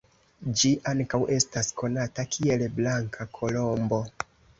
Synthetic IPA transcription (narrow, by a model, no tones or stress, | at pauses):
d͡ʒiʔaŋkawʔe̞stasko̞natakʰie̞lblaŋkʰakʰo̞lo̞mbo̞